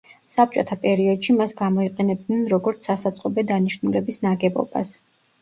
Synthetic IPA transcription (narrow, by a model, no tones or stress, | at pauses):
sap̚t͡ʃʼɔt̪ʰapʼɛɾiɔd̪̥ʃimasɡamɔiqʼɛnɛb̚d̪nɛnɾɔɡɔɾt̪sʰasat̪sʼqʼɔbɛd̪aniʃnulɛbisnaɡɛbɔ̰ba̰s